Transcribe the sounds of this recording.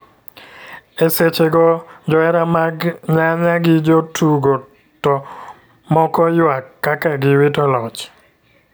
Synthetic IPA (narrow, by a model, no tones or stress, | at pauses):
eset͡ʃeɡɔd͡ʒɔɛɾamaɡɲaɲaɡɪd͡ʒotʰuɡo | tɔ | mɔkɔjwakːakaɡɪwitɔlɔt͡ʃ